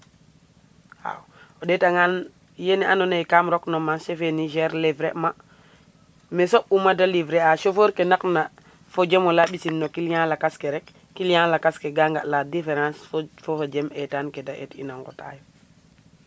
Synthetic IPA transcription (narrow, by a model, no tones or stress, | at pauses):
a̰wodɛtaŋan | jenianonejkamɾɔknomaʃefeniʃɛɾlivɾema | mesoʔumadalivɾeaʃofoːɾkenakna | fod͡ʒemolaɓisinːokiljãːlakaskeɾɛkː | iljãːlakaskeɡaŋɡaladifeɾãːsfofad͡ʒemɛtaːnkedaʔḛtḭnaŋɡo̰ta̰jo